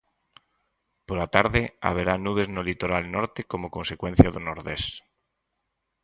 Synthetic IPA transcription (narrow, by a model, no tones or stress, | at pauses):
polat̪aɾðea̰β̞eɾanuβ̞eznolit̪oɾalnɔɾt̪ekomokonsekwen̟θjaðonoɾðes